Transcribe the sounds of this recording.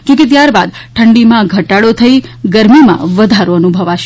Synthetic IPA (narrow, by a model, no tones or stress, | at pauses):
kõket̪̬jaɾbad̪̚ | ʈʰəɳɖimãɡʱəʈaɽot̪ʰəiɡəɾmimã̰ʋəd̪ʱaɾoənubʱəʋaʃ